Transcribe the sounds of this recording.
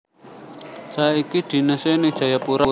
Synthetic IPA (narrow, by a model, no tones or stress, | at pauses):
saikid̪̥i̤nəsenɪd̥ʒ̥a̤japuɾa